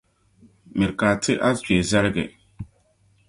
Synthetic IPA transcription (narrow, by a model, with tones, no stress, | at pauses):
mɪ˨ɾkaː˨tʰɪ˦ʔa˦t͡ʃi˨ɛ˨zɛ˦ɾɪ˦ɡɛ̰˨